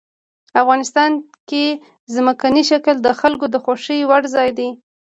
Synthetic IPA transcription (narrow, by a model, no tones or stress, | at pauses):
afɣɑnɪst̪ɑn | ke | zməkaniʃakəld̪əxalkod̪əxoʃiwaɽzɑjd̪i